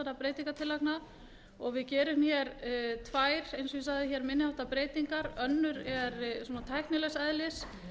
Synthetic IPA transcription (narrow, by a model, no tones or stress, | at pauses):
anapɾeːjt̪iŋkat̪ʰɪlakna | ɔɣvɪðcɛːɾʏmçɛɾt̪ʰvaːjɾ̥ejnsɔisaðɪçɛɾmɪnːɪhawht̪apɾeːjt̪iŋkaɾœnːʏɾɛɾsuːnat̪ʰajhknɪlɛsɛðlɪs